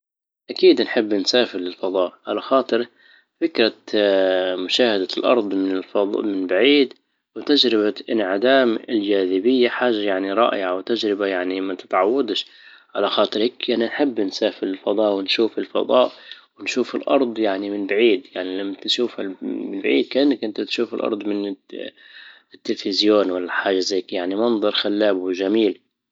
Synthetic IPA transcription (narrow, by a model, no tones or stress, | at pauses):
ʔakiːd̪nħɪbːnsaːfɪɾlɪlfɑd̪ˤɑːʔʕalaxɑːt̪ˤɨɾ | fɪkɾˤɑ | mʊʃaːhad̪alʔɑ̰ɾˤd̪ˤmɪnɪlfɑmɪnbaʕiːd̪ | wɪt̪ad͡ʒɾɪbaʔɪnʕɪd̪aːmɪld͡ʒaːðɪbɪjːaħaːʒajaʕniɾˤɑ̰ːʔɪ̰ʕawt̪ad͡ʒɾɪbajaʕnimat̪ɪ̥t̪ʕawːad̪ʃ | ʕalaxɑːt̪ˤɨɾhɪkʔananħɪbːnsaːfɪɾɪlfɑd̪ˤɑːʔwɪnʃuːfɪlfɑ̰d̪ˤɑːʔwɪnʃuːfɪlʔɑ̰ɾˤd̪ˤjaʕnimɪnbaʕiːd̪jaʕnilamːat̪ʃuːfamɪnbaʕḭːd̪̚kaʔɪnːakʔɪnt̪at̪ʃuːfɪlʔɑ̰ɾˤd̪ˤmɪn | ɪt̪ːɪlfɪzjoːnwalːaħaːʒazajːkjaʕnimɑnðˤɑɾˤxalːaːbwɪʒamiːl